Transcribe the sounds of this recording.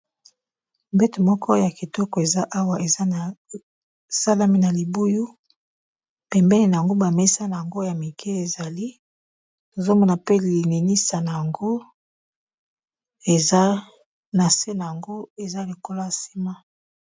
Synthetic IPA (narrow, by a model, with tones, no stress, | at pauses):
mbɛ˦to˨mɔ˦kʰɔ˦ja˨ki˨tɔ˦kɔ˨e˨za˦ʔa˦wa˨ʔe˨za˦n˨ | sa˦la˦mi˦na˨li˨bu˦ju˦ | pɛ˨mbɛ˦ni˨na˨a˨ŋɡo˦ba˨me˦sa˦na˨ja˨ŋɡo˦ja˨mi˨kʰe˦e˨za˨li˦ | no˨zo˦mɔ˦na˨pe˦li˨ne˨ni˦sa˨na˨ja˨ŋɡo˦ | e˨z | na˨se˦na˨ja˨ŋɡo˦e˨za˦li˨ko˦lo˦ja˨si̥˦ma˦